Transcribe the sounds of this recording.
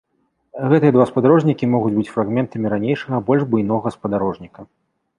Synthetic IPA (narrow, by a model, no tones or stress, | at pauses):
ɣɛt̪ɨjɐd̪vaspɐd̪aɾɔʐnʲikʲimɔɣud͡zʲbɨt͡sʲfɾaɣmʲɛnt̪ɐmʲiɾanʲejʂɐɣɐbɔlʲʐbujn̪ɔɣɐspɐd̪aɾɔʐnʲikɐ